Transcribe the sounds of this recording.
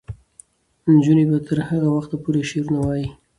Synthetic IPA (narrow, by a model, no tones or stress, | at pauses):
nd͡ʒunebat̪ʰəɾhaɣawaxt̪apuɾeʃeɾunawɑji